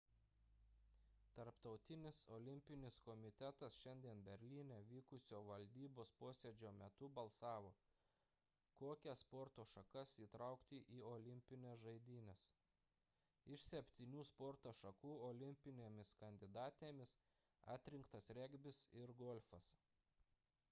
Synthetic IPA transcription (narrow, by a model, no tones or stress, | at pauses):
t̪ɐɾpt̪ɒʊt̪ʲɪnʲɪsoːlʲɪmʲpʲɪnʲɪskɔːmʲɪt̪ʲɛt̪ɐsʃʲɛnʲd̪ʲiɛnbʲɛɾʲlʲiːnʲɛʋʲiːkʊsʲoːʋɐlʲd̪ʲiːboːspoːsʲed͡ʒʲoːmʲɛt̪ʊbɐlˠsɑːʋoː | koːkʲɛspɔɾt̪oːʃɐkɐsiːt̪ɾɑʊkt̪ʲɪʔiːoːlʲɪmʲpʲɪnʲɛsʒɐɪd̪ʲiːnʲɛs | ɪʃsʲɛpʲt̪ʲiːnʲuːspɔɾt̪oːʃɐkuːɔːlʲɪmʲpʲɪnʲeːmʲɪskɐnʲd̪ʲɪd̪ɑːt̪ʲeːmʲɪs | ɑ̰ːt̪ʲɾʲɪŋkt̪ɐsɾʲɛɡʲbʲɪsɪɾɡoːlʲfɐs